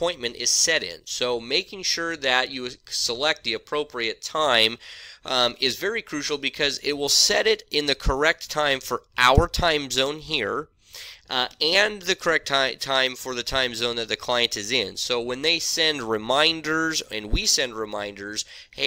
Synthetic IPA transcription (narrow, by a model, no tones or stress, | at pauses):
ɔ̃ɪ̃nmɨ̃ntɪz̥sɛɾɪ̰̃nsoʊmeɪkɪ̃ŋʃʊɹðɨt͡ʃɨsəlɛk̚t̪̚ðiɨpʰɹ̥oʊpʰɹiɨtʰãɪ̃m | ɪzvɛɹikʰɹ̥ʉʃl̩ˠbɨkʰʌzɪt̚wɪlˠsɛɾɪɾɪ̃nðɨkʰə˞ɛk̚tʰãɪ̃ɱfə˞ʔaʊə˞tʰãɪ̃mzõʊ̃nɦiɹ | ɨ̃nðɨkʰə˞ɛk̚tʰãɪ̃tʰãɪ̃ɱfə˞ðɨtʰãɪ̃mzõʊ̃nðɨt̪̚ðɨkʰl̥aɪɨ̃ntɨzɪ̃nsoʊwə̃nðeɪsɛ̃ndɹɨmãɪ̃ndə˞zɨ̃nwisɛ̃ndɹɨmã̰ɪ̃ndə˞z̥